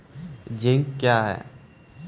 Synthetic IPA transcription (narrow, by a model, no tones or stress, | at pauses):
d͡ʒɪ̃ŋkkːjaːɦɛ̰ː